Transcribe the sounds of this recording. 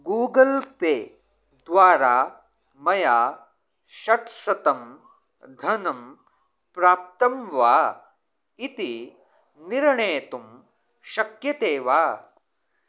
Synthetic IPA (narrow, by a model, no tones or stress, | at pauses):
ɡuːɡɐlpeː | d̪ʋaːɾaː | mɐjaː | ʃɐʈsɐt̪ɐm | d̪ʱɐnɐm | pɾaːp̚t̪ɐmʋaː | it̪i | niɾɳeːɐt̪um | ʃɐkjɐt̪eːʋaː